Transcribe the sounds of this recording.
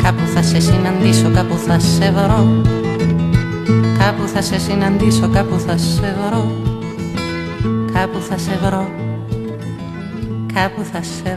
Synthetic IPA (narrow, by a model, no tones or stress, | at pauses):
kapuθasesinand̪isokapuθaseβɾo | kapuθasesinand̪isokapuθaseβɾo | kʰapuθaseβɾo | kʰapuθase